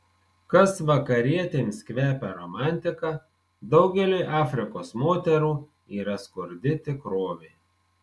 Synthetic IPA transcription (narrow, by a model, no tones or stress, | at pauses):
kɐsʋɐkɐɾʲiɛt̪ʲemʲsʲkʲʋʲæːpʲɛɾɔːmɑˑnʲt̪ʲɪkɑː | d̪ɒʊɡʲɛlʲiːʔɑːfʲɾʲɪkoːsmoːt̪ʲɛɾuː | iːɾɐskʊɾʲd̪ʲɪt̪ʲɪkɾoːʋʲeɪ